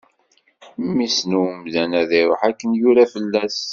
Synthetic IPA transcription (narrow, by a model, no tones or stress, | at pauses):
mːisnuwmðænæðiɾoħækːənjuɾæfəlːæs